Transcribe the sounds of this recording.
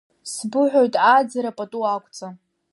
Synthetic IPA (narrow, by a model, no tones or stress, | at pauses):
sbɨħʷᶣojtʼad͡zaɾapʼatʼuakʷʰʼt͡sʼa